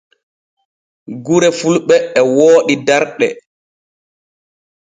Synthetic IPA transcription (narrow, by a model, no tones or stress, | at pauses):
ɡuɾɛfulɓɛːwoːɗidaɾɗɛ̰